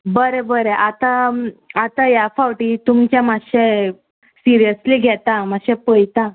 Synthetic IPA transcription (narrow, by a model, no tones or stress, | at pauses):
bəɾebəɾeʔat̪aat̪ajafawʈiːt̪umt͡ɕjãmaɕɛ | siɾijəsliɡʱɛt̪amaɕɛ̃pəjt̪ã